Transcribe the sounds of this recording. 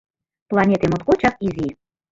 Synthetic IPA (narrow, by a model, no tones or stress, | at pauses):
plˠɑnʲet̪emot̪kot͡ɕɑkizʲi